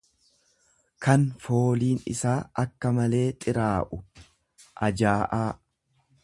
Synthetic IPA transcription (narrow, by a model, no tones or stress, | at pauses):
kɐnfo̞ːliːnɪ̰saːʔɐkːɐmɐle̞ːt̪ʼɪɾaːʔʊ | ʔɐd͡ʒaːʔaː